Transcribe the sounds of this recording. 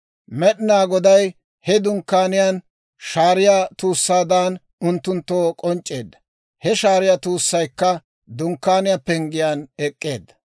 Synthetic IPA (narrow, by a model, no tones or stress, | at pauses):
mɛɗɪnaːɡɔd̪ɐj | hɛd̪ʊŋkːaːnɪjaːn | ʃaːɾɪjaːt̪uːsːaːd̪aːn | ʊnt̪ːʊnt̪ːoːkʼɔnt͡ʃʼːe̞ːd̪ːɐ̥ | hɛʃaːɾɪjat̪uːsːɐjkːɐ | d̪ʊŋkːaːnɪjapːɛŋɡɪjaːnɛkʼːeːd̪ːɐ̥